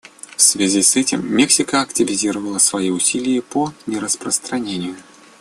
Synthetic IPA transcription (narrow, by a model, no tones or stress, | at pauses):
fsvʲazʲisɛtʲɪmːʲɛksʲɪkəɐktʲɪvʲɪzʲiɾəvəlˠəsvɐjiʊsʲilʲɪjipɔnʲɛɾəspɾəst̪ɾɐnʲenʲɪjʊ